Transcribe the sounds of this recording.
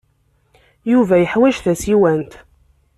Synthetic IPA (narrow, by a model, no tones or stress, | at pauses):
juvæjəħwæʒθæsiwænt̪